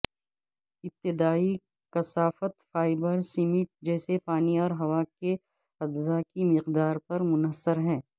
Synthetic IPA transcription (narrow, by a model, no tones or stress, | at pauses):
ɪp̚t̪ɪd̪aːi | kɐsaːfət̪faːɪbəɾsɪmɪʈ̚d͡ʒɛːsepaːniɔːɾɦɐʋake | ɐd̪zakimɪqd̪aːɾpɐɾmʊnəsːəɾɦɛ̃ː